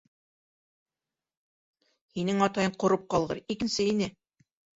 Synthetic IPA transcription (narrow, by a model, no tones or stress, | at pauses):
hinɘŋɑt̪ɑjɤɴqŏɾɤp̚qɑlˠʁɤ̰ɾikɘ̆nsɘinɘ